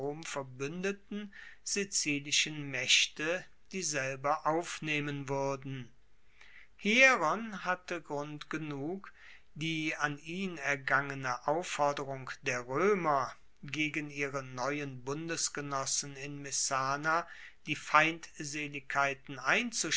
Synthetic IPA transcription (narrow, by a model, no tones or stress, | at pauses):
oːmfɛɐbʏndətn̩z̥it͡siːlɪʃənmɛʃtə | d̥iːzɛlbɐʔaʊfneːmənvʏɐdn̩ | hiːʁanhatəɡʁʊntɡ̥ənuːk | d̥iːaniːnɛɐɡaŋənəʔaʊfɔɐdəʁʊŋkd̥eːɐʁøːmɐ | ɡeːɡən̩iːʁənɔʏənbʊndəsɡ̥ənɔsn̩ɪnmɛsaːna | d̥iːfaɪntzeːlɪkʰːaɪtn̩ʔaɪnt͡suʃ